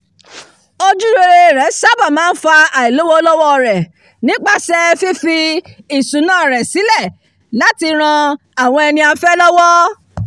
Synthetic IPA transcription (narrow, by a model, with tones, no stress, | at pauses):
o˧d͡ʒu˦ɾe˧ɾe˧˨ɾɛ˨˦sa˦ba˦˨mãː˦n̩˦fa˧a˨i˨lo˨˦wɔ˦lɔ˦wɔ˦˨ɾɛ˨ | nĩ˨˦k͡pa˦sɛ˦fi˦fi˧i˨sũ˨˦nãː˦˨ɾɛ˨si˨˦lɛ˦˨ | la˨˦ti˧ɾ̃ã˧ | a˨w̃ɔ̃˧ɛ˧nĩ˧a˧fɛ˦lɔ˦wɔ˦